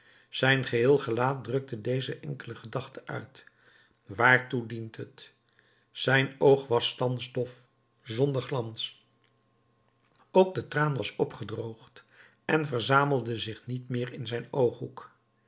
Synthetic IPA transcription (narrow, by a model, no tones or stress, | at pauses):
z̥ɛjnχəɦɪːlˠχəlaːt̚drɵk̚tədejzəʔɛŋkələχədɑχtəʔœ̰ɥt | ʋaːɹtudintɦət | z̥ɛjnowχʋɑstɑnzdɔf | zɔndəɹχlɑns | owk̚dətraːnʋɑsɔpχədrowχt | ɛnvəɹzaːməlˠdəzɪχnitmɪːɹɪnzɛjnowχɦuk